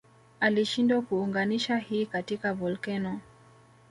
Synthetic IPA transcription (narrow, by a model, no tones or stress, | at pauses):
aliʃindwakuːŋɡaniʃahiːkatikavɔlkɛnɔ